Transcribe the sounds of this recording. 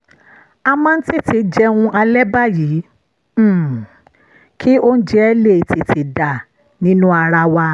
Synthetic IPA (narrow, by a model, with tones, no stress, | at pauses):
a˧mã˦n̩˦ti˦ti˧˦d͡ʒɛ˧ũ˧a˧lɛ˦ba˦˨jĩ˨˦˨ | kʰi˦o˦n̩˦d͡ʒɛ˦ɛ˦le˦˨ti˨tʰi˨da˨ | nĩ˦nũ˦a˧ɾa˧wa˧